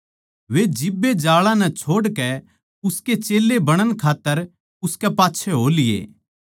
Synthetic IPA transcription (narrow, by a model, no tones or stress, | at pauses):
ʋed͡ʒɪbːed͡ʒaːɭãnɛ̃t͡ʃʰoːɽkɛ | ʊsket͡ʃeːlːebɐɽ̃ənkʰaːt̪ːəɾ | ʊskɛpaːtːʃʰɛɦoːlɪjḛː